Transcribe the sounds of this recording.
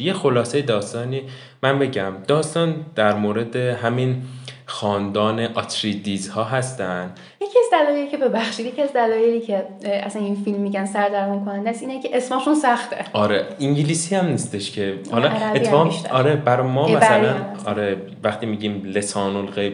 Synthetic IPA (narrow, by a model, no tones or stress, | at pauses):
je̞xolɒːse̞jed̪ɒːst̪ɒːniː | mænbe̞ɟæmd̪̥ɒːst̪ɒːnd̪̥æɾmoːɾe̞d̪eɦæminxɒːnd̪ɒːneʔɒt̪ʰɾiːd̪iːzhɒːɦæst̪ænd̪ | je̞cʰiæzd̪ælɒːjelicʰebe̞bæxʃid̪jecʰiæzd̪ælɒːjeliːcʰe̞ʔæsæninfilmːiɟænsæɾd̪æɾmunkʰo̞nænd̪æsiːnecʲʰeʔesmɒːʃunsæxt̪ʰḛɒːɾeiŋɟilisiæmnist̪eʃcʰe̞hɒlɒæɾæet̪ieɒmʃæɒːɾebæɾɒmɒːmæsælænɒːɾe | væxt̪iːmiːɟiːmle̞sɒːnolɣej